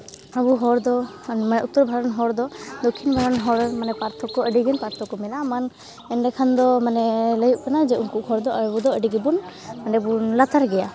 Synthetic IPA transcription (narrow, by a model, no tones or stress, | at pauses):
abuɦɔɾd̪ɔmanɛut̪ːɔɾbʱaɾɔnɦɔɾd̪ɔd̪ɔkʰːinbʱaɾɔnɦɔɾmanɛpaɾt̪ʰɔkɔəɖiɡɛnpaɾt̪ʰɔkɔmɛlaman | ɛnɖɛkʰand̪ɔmanɛləjuʔkanad͡ʒɛuŋkuʔhɔɾd̪ɔʔəbud̪ɔəɖiɡɛbun | manɛbunlat̪aɾɡɛja